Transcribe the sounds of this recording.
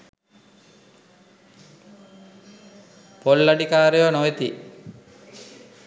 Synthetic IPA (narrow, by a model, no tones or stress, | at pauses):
polːaɖikaːɾejonoʋet̪i